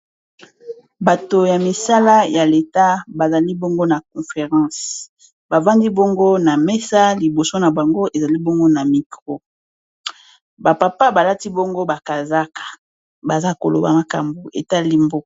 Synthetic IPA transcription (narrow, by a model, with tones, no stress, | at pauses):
ba˨to˨ja˨mi˨sa˦la˦ja˨le˨ta˦ba˨za˨li˦bo˦ŋɡo˦na˨k̚ɔ̃˨fe˨ʁɑ̃˦s | ba˨vã˦ndi˦bo˦ŋɡo˦na˨me˦sa˦li˨bo˨so˦na˨ba˨ŋɡo˦e˨za˨li˦bo˦ŋɡo˦na˨mi˨kʁo˦ | ba˨pa˨pa˦ba˨la˦ti˦bo˦ŋɡo˦ba˨ka˨za˦kḁ˨ | ba˨za˦ko˨lo̰˨ba̰˨ma˨ka˨mbu˨ḛ˨ta˦li˦mbo˦˨